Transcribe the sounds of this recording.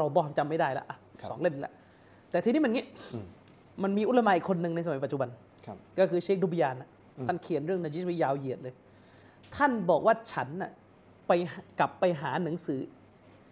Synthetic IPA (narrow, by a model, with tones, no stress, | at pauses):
ɾa˧wbɔː˧nt͡ɕa˧mːa˥˩jdaː˥˩jla̰˦˥ʔa˧˩wsɔː˩˦ŋle˥˩mni˧˦lɛ̰˥ʔ | t̪ɛː˨t̪ʰiː˧niː˦˥ma˧ŋi˦˥ʔ | ma˧nmiː˧ʔu˦˥a˧maː˧ʔi˨˩kʰːo˧nːɯ˨˧ŋna˧js̬a˧m˨˦pt̪̚t͡ɕu˨˩ba˧nʰ˧ | kɔː˥˩kʰɯː˧t͡ɕʰeː˦˥k̚du˧bi˧jaː˧na˧˦˩ʔ | t̪ʰa˥˩nkʰi˨˩˦nɾɯ˥˩əŋnaː˧t͡ɕi˦˥t̪i˦˥jaː˧wji˨˩ət̪̚lɤː˧j | t̪ʰa˥˩nbɔː˨˩k̚waː˥˩t͡ɕʰa˦˥nːa̰˨˩ | pa˧jɦka˨˩pːa˧jɦaː˩˦na˩˦ŋsɯː˩˦